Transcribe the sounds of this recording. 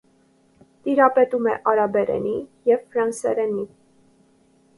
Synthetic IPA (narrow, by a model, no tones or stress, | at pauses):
t̪iɾɑpɛt̪umɛʔɑɾɑbɛɾɛ̰nijɛvfɾɑnsɛ̰ɾɛni